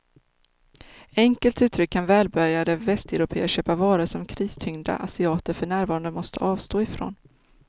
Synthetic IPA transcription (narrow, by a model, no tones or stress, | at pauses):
ɛŋkəlt̪ʉ̟ːt̪ʰɾʏkʰːanvɛːlbœɾjad̪əvɛst̪ɛɾʊpʰḛːəʂøːpavɑːɾəsɔmkʰɾiːst̪ʰʏŋd̪a̰ʔasɪɑːt̪əɾfœɳæːɾvɑːɾand̪əmɔst̪ʰə̰ʔɑːvst̪oːɪfɾo̰ːn